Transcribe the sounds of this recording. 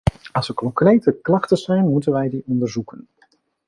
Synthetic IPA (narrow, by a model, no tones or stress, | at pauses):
ɑlˠsəɹkɔŋkrejtəklɑχtəzɛjnmutənʋɛjdiɔndəɹzukən